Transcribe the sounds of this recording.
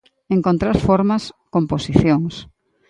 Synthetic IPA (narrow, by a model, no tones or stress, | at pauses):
eŋkont̪ɾaɾfoɾmɐskomposiθjoŋs